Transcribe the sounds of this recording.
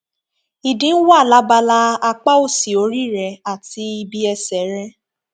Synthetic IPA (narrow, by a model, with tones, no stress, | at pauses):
i˨dĩ˨˦wa˦˨la˦ba˧la˧a˧k͡pa˦o˦˨si˨o˨˧˦ɾi˦˨ɾɛ˨˧a˦˨ti˧˦i˧bi˧ɛ˧sɛ˨˦ɾɛ˧˦